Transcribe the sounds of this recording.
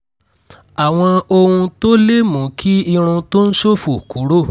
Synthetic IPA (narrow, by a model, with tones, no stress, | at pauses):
a˨w̃ɔ̃˧o˧ũ˧to˦le˦mũ˨˦kʰi˦i˧ɾ̃ũ˧to˦n̩˦ʃo˦fu˨ku˨˦ɾo˦˨